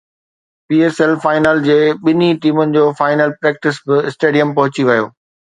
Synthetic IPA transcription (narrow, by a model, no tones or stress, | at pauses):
piːeːsɛlfaːɪnəld͡ʑeːɓɪniʈiːmʊnɪ̆d͡ʑoːfaːɪnəlpɾeːk̚ʈɪsbɪɪsʈeːɖijəmpɐɦʊt͡ɕiʋɐjo̰ː